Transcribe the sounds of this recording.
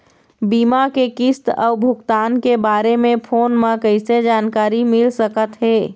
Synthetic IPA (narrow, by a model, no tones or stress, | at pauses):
bimakekist̪ɔ̰ʊbʱʊkt̪aːnkebaːɾemẽpʰoːnmãkəɪsed͡ʒaːnkaːɾimɪlsəkət̪ɦeː